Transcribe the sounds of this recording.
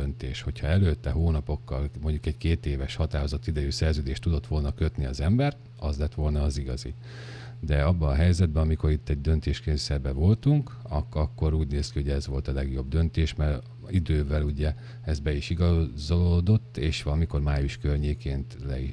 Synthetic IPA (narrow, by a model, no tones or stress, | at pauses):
ønt̪ḛːʃho̞cʰhɒɛløːt̪ːɛɦoːnɒpo̞kːɒlmo̞ɲɟukɛɟkeːt̪eːvɛʃhɒt̪aːɾozɒt̪ːid̪ɛjyːsɛrzøːd̪eːʃt̪ud̪o̞t̪ːʋo̞lnɒkø̞t̪niɒ̰zɛmbɛr | ɒzlɛt̪ʋo̞lnɒːziɡɒzḭ | d̪ɛɒbːɒnɒɦɛjzɛd̪̚bɛɒmiko̞ɾit̪ːɛɟd̪ø̞nt̪eːʃkeːnsɛbɛvo̞lt̪uŋkɒkːɒkːo̞ɾuːɟneːskiho̞ɟɛzʋo̞lt̪ɒlɛɡjo̞bd̪ø̞nt̪eːʃmɛr | id̪øːvɛluɟɛ | ɛzbɛiʃiɡɒzolod̪o̞t̪ːeːʃʋɒlɒmiko̞rmaːjuʃkørɲeːkeːnt̪lɛ̰i